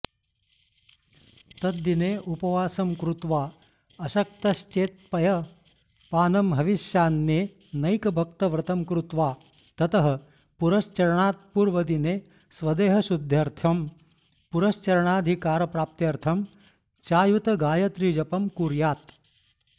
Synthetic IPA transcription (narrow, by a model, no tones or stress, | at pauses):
t̪ɐt̪ːineːʔupɐʋaːsɐmkɾut̪ʋaː | ɐʃɐk̚t̪ɐʃt͡ʃeːt̪̚pɐjɐ | paːnɐmɦɐʋiʃjaːnːeː | nɐjkɐbʱɐk̚t̪ɐʋɾɐt̪ɐmkɾut̪ʋaː | t̪ɐt̪ɐɦɐ | puɾɐʃt͡ʃɐɾɐɳaːt̪̚puːɾʋɐd̪ineː | sʋɐd̪eːɦɐʃud̪ʱjɐɾt̪ʰɐm | puɾɐʃt͡ʃɐɾɐɳaːd̪ʱikaːɾɐpɾaːp̚t̪jɐɾt̪ʰɐm | t͡ʃaːjut̪ɐɡaːjɐt̪ɾid͡ʒɐpɐmkuːɾjaːt̪